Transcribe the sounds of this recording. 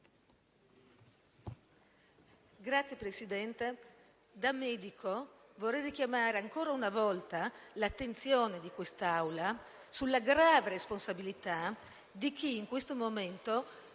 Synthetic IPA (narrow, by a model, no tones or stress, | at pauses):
ɡɾat̪sjepɾesid̪ɛnt̪e | d̪amɛːd̪ikʰovorːɛjrikjamaːɾeaŋkoːɾaunavɔlt̪alat̪ːent̪sjoːned̪ikwest̪awla | sulːaɡɾaːveɾesponsabilit̪a | d̪ik̟iːŋkwest̪omoment̪o